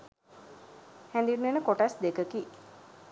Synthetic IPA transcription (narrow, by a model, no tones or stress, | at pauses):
hæ̃nd̪inːenəkoʈasd̪ekəki